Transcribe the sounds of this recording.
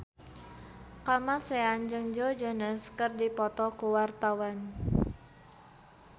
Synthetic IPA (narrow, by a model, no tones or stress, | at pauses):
kamaseand͡ʒɨŋd͡ʒod͡ʒənəskərdipɔt̪ɔkuwart̪awan